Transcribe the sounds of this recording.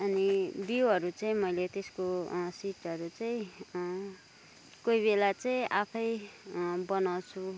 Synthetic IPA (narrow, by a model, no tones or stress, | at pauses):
ʌnibiʌɾut͡saĩmʌjlet̪eskosiʈʌɾut͡saĩ | koibelat͡sʌĩʔapʰʌj | bʌnawt͡sʰu